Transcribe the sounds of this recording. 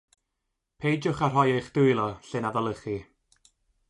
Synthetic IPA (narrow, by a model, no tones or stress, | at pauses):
pʰejd͡ʒʊχar̥ɦɔjejχd̥ʊɨlˠɔɬɨnaðɔlˠəχi